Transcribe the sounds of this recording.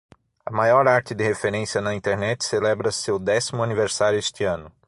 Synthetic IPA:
ɐmajɔɾaɾt͡ʃɪd̪ɪhefeɾẽsijɐnɐĩnt̪eɾnɛt͡ʃ̪ɪ̥selɛbɾɐsewd̪ɛsimʊɐniveɾsaɾjʊest̪ɪɐ̃nʊ

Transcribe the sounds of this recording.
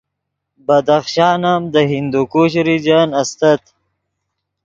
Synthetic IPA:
bɐd̪aχʃaːnamd̪əɦind̪ukuɕɾid͡ʒaːnɐst̪ɐt̪

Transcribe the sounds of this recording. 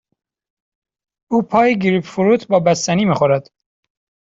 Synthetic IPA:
uːpʰɒːjeɡiɾipfuɾuːt̪ʰbɒːbæst̪æniːmiːxoɾæd̪̥

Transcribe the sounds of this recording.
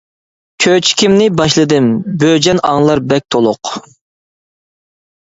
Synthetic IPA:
kʲʰøt͡ʃʰi̥kʲʰimnɪbɑʃlˠɨd̪ɨmbød͡ʒɛnɑŋlˠɑɾbɛk̚ʲt̪ʰolˠʊq

